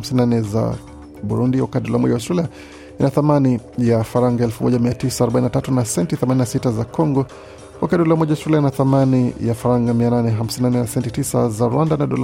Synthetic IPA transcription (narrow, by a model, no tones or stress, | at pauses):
msinnanɛza̰ | ɓuɾundiwa̰katdɔlamɔ̰ʄawastɾɛlia | inaθamanijafaɾaŋɡaɛlfumɔ̰ʄamiatisaːɾɔɓaninatatunasɛntiθɛmaninasitazakɔŋɡɔ | wakatdɔlamɔʄawastɾɛliainaθamanijafaɾaŋɡamiananɛɦam̩sinanɛnasɛntitisa̰zaɾwandanaɗɔ̰l